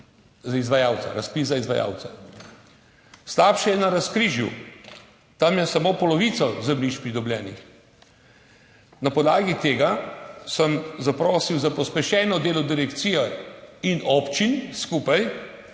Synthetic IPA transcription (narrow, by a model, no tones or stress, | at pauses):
zaizʋajaːwt̪sa̰ɾaspiszaizʋa̰ja̰ːwt̪sa | slaːpʃɛjɛnaɾaskɾiːʒjṵ | t̪amjɛsamoːpɔlɔʋit̪sɔzɛmniʃpɾid̪ɔblʲjɛːnḭx | napɔd̪laːɡit̪eːɡasəmzapɾoːsiwzapɔspɛʃɛːnɔd̪eːlɔd̪iɾɛkt̪siːjɔinɔpt͡ʃinskuːpaj